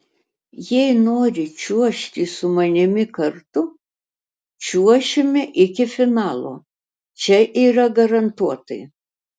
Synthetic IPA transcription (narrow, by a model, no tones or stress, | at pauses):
jɛɪnoːɾʲɪt͡ʃʲuɔʃʲt̪ʲiːsʊmɐnʲɪmʲɪkɐɾt̪ʊ | t͡ʃʲuɔʃʲɪmʲɪʔɪkʲɪfʲɪnɑːlˠo̰ː | t͡ʃʲɛʔiːɾɐɡɐɾɐnt̪uɔt̪ɐɪ